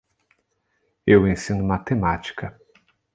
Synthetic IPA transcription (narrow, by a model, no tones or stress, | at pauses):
ewẽsĩnʊmat̪emat͡ʃi̥kɐ